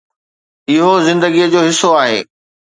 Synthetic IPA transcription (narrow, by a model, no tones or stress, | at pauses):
ɪɦozɪ̃nd̪əɡiəd͡ʑoːɦɪsoaːɦeː